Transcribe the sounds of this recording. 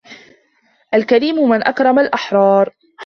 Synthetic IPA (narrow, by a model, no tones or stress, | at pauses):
ʔalkaɾiːmʊmɪnʔakɾˤɑmalʔaħɾˤɑːɾˤ